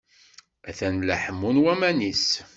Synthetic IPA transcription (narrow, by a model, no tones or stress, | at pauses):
æθænləħəmːunwæmænis